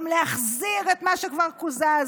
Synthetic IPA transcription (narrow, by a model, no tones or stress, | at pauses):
mleaχziʁet̪maʃekvaʁkuzaz